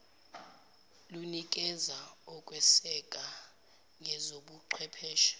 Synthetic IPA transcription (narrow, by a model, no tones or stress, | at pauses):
lunik̬ʼɛzaɔkʼwɛsɛkʼa | ŋɛzoɓuǃʰwɛpʰɛːʃɔ̥